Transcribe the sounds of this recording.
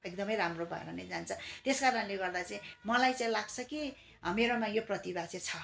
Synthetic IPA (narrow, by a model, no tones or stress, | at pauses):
ekd̪ʌmʌjɾamrobʱʌ̰ɾʌned͡zant͡sʰʌt̪eskaɾʌnleɡʌrd̪at͡saĩmʌlajt͡saĩlaɡt͡sʰʌki | meɾomajoprʌt̪ibat͡set͡sʰʌ